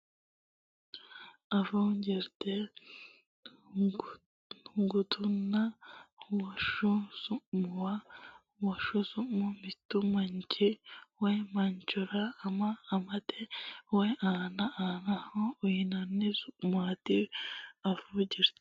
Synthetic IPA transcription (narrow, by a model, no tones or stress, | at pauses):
afuɲɟiɾte | ŋɡutʰuna | waʃuzumuwa | waʃusumumitumaɲcʰiwemaɲt͡ʃuɾaːmaːmatʰeweʔanaanahoːjinanizumwatiafuɲɟiɾt